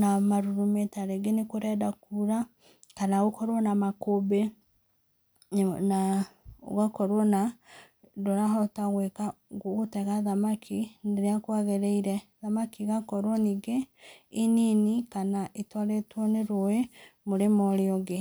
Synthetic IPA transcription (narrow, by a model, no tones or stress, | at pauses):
namaɾuɾumetaɾeɡenekoɾɛdakuɾa | kanaɣokɔɾɔnamakobe | nao̰ɣakɔɾwɔna | doɾaɦɔtaɣwekaoɣotɛɣaðamakʰineɾeakwaɣeɾeiɾɛðamakiɣakɔɾwɔniɡeininikanaʔetwaɾetwɔneɾoemoɾemɔɾjɔɣe